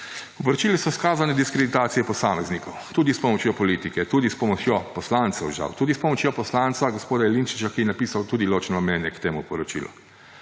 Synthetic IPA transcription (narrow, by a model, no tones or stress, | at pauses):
upɔɾɔt͡ʃiːlisɔskaːzanɛd̪iskɾed̪it̪aːt̪sijɛpɔsaːmɛznikɔwt̪uːd̪ispɔmɔt͡ʃjopɔliːt̪ikɛt̪uːd̪ispɔmɔt͡ʃjopɔslant̪sɛwʒa̰wt̪uːd̪ispɔmɔt͡ʃjopɔslant̪saɡospoːd̪aɛlint͡ʃit͡ʃakijɛnapiːsawt̪uːd̪iloːt͡ʃnɔnamɛnjɛkt̪eːmupɔɾɔt͡ʃḭːlʔṵ